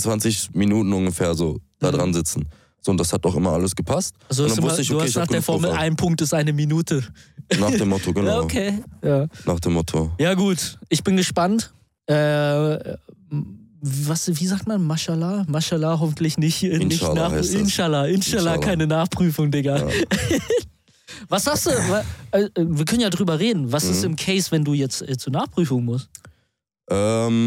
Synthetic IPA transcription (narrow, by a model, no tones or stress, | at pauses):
t͡sv̥ansɪçminuːtn̩ʊnɡəfeːɐzoːd̥aːdʁanzɪt͡sn̩ | z̥oːʊntd̥ashat̚aʔɪmɐʔa̰ləsɡ̥əpʰast̚alzodaɪvmstəɪçduːhaad̥eːɐfɔɐməl̩ʔa̰ɪnpʰʊŋk̚tɪstʔaɪnəminuːtʰənaːdemɔtʰoɡənaːokʰeːjaːnaːχd̥eːmɔtʰojaːɡuːtʔɪçb̥ɪnɡəʃpant | ʔɛː | vvasviːzaːk̚tmanmaʃalaːmaʃalaːɦɔfn̩tlɪçnɪçnɪnaːɪnʃalaːʔɪnʃalakʰaɪnənaːχpʁ̥yːfʊŋdɪɡɐ | vasz̥asd̥uːvaʔaɛviːɐkʰœnənjaːdʁyːbɐʁeːdn̩vasɪstɪmkʰɛɪsv̥ɛnduːjɛt͡stʔɛːt͡suːɐnaːχpʁ̥yːfʊŋmʊst | ʔɛːm